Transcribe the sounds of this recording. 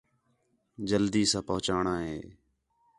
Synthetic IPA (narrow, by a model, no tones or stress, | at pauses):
d͡ʒəld̪iːsãːpəɦʊt͡ʃaːɳãːɦeː